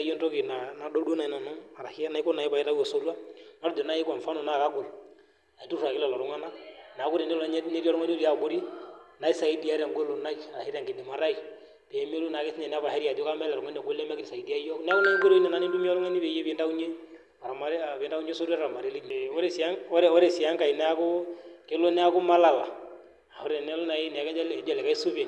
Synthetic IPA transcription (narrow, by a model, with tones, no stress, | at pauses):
a˦je˦nto˦ki˨na˨na˨do˦dna˨i˨na˨nɔ˦a˨ɾa˨hi˦a˦na˦i˦kɔ˦na˨i˦pa˨i˦ɾa˦u˦jo˨so˦ɾu˦a˦nɔ˦ɾdo˨na˦i˦ka˨fa˦no˨na˦˨ka˦ɡu˨l | a˨i˨tu˦ɾa˨ki˦lɔ˨lɔ˨ɾɔ˦ŋa˦na˦na˨˦ku˦ɾi˨ne˦lɲ˦ne˦ɾi˦ɔ˦lu˦ŋa˦no˦ɾi˦a˨ɡu˦ɾi˦na˨˦i˦sa˨i˦di˦a˦ɾa˨ŋɡo˦lo˨na˦i˦˨a˨ɾa˨he˦ɾi˦a˨ŋɡi˨di˨ma˨ɾa˦i˨ | pe˨˦m˦o˦lu˦na˨kɪ˦si˦ɲɛ˨nɛ˦a˦βa˨hɛ˦ɾa˨do˦ka˦mɛ˦lɛ˨ɾʊ˨ŋa˦n˦ɛ˨ɡo˦lɛ˦mɛ˦kɾi˨sa˨i˨di˦a˦jɔ˦nɛ˦a˦ku˦na˦i˦ɡo˦ɾo˦i˦nɛ˨na˨ni˦du˦mi˦ɔ˦lʊ˦ŋa˦ni˦βe˨˦je˦pɪ˨˦nda˦u˦ɲe˦ | a˨ɾa˨ma˨ɾa˨pɪ˨nda˦u˦ɲe˦so˦ɾɾa˨a˨ma˨ɾe˨˦li˦ɲe˨ɔ˦ɾe˨sa˦ŋɔ˦ɛ˦wɔ˦ɾe˨si˨a˦ŋka˨i˨nɛ˦a˦kʊ˦kɪ˦lo˦nɛ˦a˦kʊ˦ma˦la˨la˨ | a˨o˦ɾe˨nɛ˦lo˦na˨i˦nɛ˨kɛ˦d͡ʒa˦lːd͡ʒa˨lɛ˨ka˦i˦su˦pɛ˨